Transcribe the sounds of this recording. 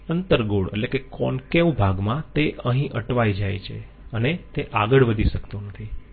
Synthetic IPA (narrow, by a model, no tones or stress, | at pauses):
ənt̪əɾɡoɽḛtlekekɔnkeʋũbʱaɡmãt̪eʔəɦĩʔəʈʋajd͡ʒajt͡ʃʰḛ | ənet̪eʔaɡəɭʋəd̪ʱiʃəkt̪onət̪ʰi